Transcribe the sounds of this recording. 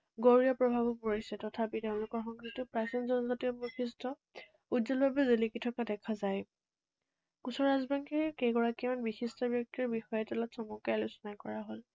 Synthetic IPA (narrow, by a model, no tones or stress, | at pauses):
ɡoɹijɔpɹɔbʱabɔpoɹisɛtɔtʰapiteʊ̃lʊkɔɹxɔŋkʰitʊpɹasinzɔnɔzatiɔbɔxʰistɔ | udzɔlbʱabɛzelikitʰɔkadɛkʰazaj | kusɔɹazbaŋkiɹkejɡɔɹakimanbixistɔbjɔk̚tiɹbixɔjɛtɛlɔtsɔmukajlʊsɔnajkɔɹaɦol